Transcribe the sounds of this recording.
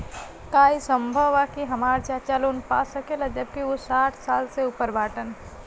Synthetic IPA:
kaːisə̃mbʱəʋakiɦɐmaːɾt͡ʃat͡ʃalonpa̰səkelad͡ʒəb̚kiʊsaːʈʰsaːlseʊpəɾbʱaːʈən

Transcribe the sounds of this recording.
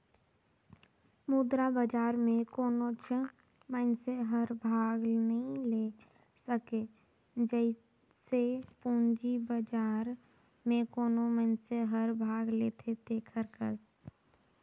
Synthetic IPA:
mud̪ɾabəd͡ʒaːɾmẽkoːnot͡ʃʰə | məɪnseɦəɾbʱaːɡnəɦĩle | səke | d͡ʒəɪ | sepũːnd͡ʒibəd͡ʒaːɾ | mẽkoːnoməɪnseɦəɾbʱaːɡlet̪ʰet̪eːkʰəɾkə̰s

